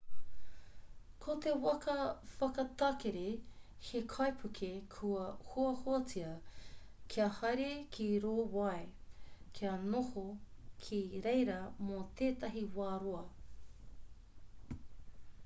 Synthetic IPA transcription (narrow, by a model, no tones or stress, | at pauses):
kʰot̪ewɐkɐfɐkɐt̪ɐkeɾehekʰɐjpʰukʰekʰuɐhoɐhoɐt͡siɐ | kʰiɐhɐɾekʰiɾoːwɐekʰiɐnohokʰiɾejɾɐmot̪eːt̪ɐɦiwaːɾoɐ